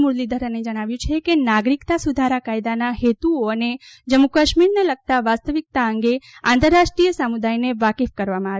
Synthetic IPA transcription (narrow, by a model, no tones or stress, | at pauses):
muɾlid̪ʱəɾəned͡ʒəɽ̃aʋjũt͡ʃʰekenaɡɾikt̪asud̪ʱaɾakajd̪anaɦet̪uoəned͡ʒəmukəʃmiɾneləɡ̚t̪aʋast̪əʋik̚t̪aəŋɡeãnt̪əɾːaʃʈɾijəsamud̪ajneʋakefkəɾʋamãaʋ